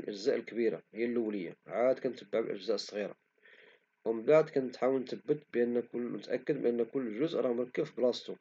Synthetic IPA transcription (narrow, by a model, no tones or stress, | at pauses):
lʔəʒzæʔəlkbiɾa̰həjːælːəwːləjːa̰ʕad̪̚kænt̪əbːaʕbə̰lʔə̰ʒzæʔəsˤːɣiɾa̰ | wməbaʕd̪kænt̪ħawəlnt̪əbːət̪bʔənːkʊlmʊt̪ʔæ̰kːəd̪̚bʔənːkʊlːʒʊzʔɾˤɑmɑɾˤkːəfblɑst̪u